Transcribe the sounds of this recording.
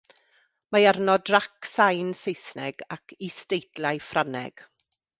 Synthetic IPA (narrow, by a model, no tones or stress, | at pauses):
majarnɔdraksajnsejsnɛɡ̥akʰistejdlajfranɛ̰ɡ̥